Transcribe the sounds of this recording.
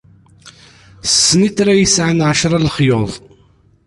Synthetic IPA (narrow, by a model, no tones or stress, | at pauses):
ssːniθɾajəsʕənʕaʃɾˤɑlχjoðˤ